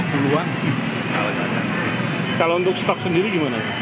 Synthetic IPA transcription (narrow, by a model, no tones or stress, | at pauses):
buluaŋ | a̰ka̰ta̰ | kalount̪ʊkst̪ɔk̚səndiɾiɡimana